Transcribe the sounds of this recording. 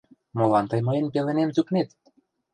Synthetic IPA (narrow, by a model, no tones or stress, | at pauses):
molɑnt̪ɤjmɤjenpelĕnemzuknet̪